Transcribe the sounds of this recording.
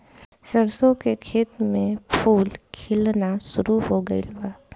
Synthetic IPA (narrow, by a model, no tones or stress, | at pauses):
səɾsõkekʰeːt̪mẽpʰuːlkʰɪlnaʃʊɾuɦoɡəḭlbaː